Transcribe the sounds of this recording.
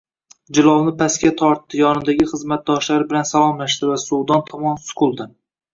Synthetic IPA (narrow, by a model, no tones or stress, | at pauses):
d͡ʒɪlˠɒlˠnɪpʰaskʲat̪ʰɒɾt̪ːɪjɒnɪd̪aɡʲɪχɨzmat̪̚d̪ɒʃlaɾbɪlansalˠɒmlaʃd̪ɪvasud̪ɒnt̪ʰɒmɒnsʊ̥kʰʊlˠd̪ɪ